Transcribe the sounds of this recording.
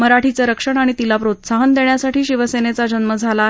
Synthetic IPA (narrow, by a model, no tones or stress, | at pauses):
məɾaʈʰit͡səɾəkʂəɳ̃aɽ̃it̪ilapɾot̪saɦənd̪eɳjasaʈʰiːɕiʋəsenet͡sad͡ʑənməd͡zʱala